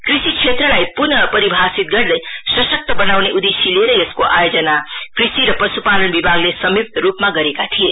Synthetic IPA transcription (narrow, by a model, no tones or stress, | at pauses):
kɾisikt͡ʃʰet̪ɾʌlajpunʌpʌɾibʱasit̪̚ɡʌɾd̪əjsʌsək̚t̪əbʌnawneʔud̪esileɾʌeskoʔajod͡ʒʌnakrisiɾʌpʌsupalənbibʱaɡlesʌmip̚t̪ɾupmaɡʌɾekat̪ʰije